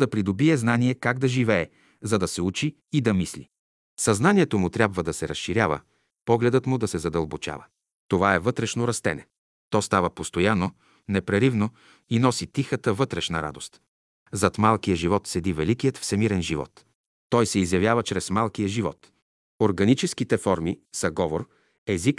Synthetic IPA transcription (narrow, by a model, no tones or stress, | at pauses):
d̪ɐpɾid̪obiɛznaniɛkaɡ̚d̪ɐʒivɛɛ | zɐd̪ɐsɛut͡ʃiː | d̪ɐmislḭ | sɐznaniɛt̪omʊt̪ɾʲabvəd̪ɐsɛɾɐsʃiɾjavə̰ | pɔɡlɛd̪ət̪mʊd̪ɐsɛzɐd̪ɐlˠbot͡ʃa̰və̰ | t̪ovaɛvɤt̪ɾɛʃnoɾɐst̪ɛ̰nɛ | t̪ɔst̪avəpost̪ojano | nɛpɾɛɾivno | inɔsit̪ixət̪əvɤt̪ɾɛʃnɐɾa̰d̪ost̪ | zɐt̪malˠkijəʒivɔt̪sɛd̪ivɛlikijət̪fsɛmiɾɛnʒivɔ̰t̪ | t̪ɔjsɛizjɐvʲjavət͡ʃɾɛsmalˠkijəʒivɔ̰t̪ | oɾɡɐnit͡ʃɛskit̪ɛfɔɾmisɐɡɔvoɾ | ɛzik